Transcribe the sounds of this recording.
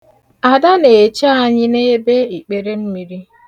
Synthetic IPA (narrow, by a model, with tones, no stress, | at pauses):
a˨da˦ne˨t͡ʃa˦a˦˨ɲɪ˦ne˦e˦be˦i˨k͡pe˨ɾe˦m̩˦mi˨ɾi˦